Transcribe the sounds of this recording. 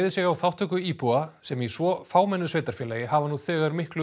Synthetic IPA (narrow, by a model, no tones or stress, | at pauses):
ðɪsɪɣawθawht̪ʰœkʏiːpuasɛmisvɔfaːwmɛnːʏsveːjt̪aɾ̥fjɛːlaːjɪhavanuθɛːɣaɾmɪhklʏ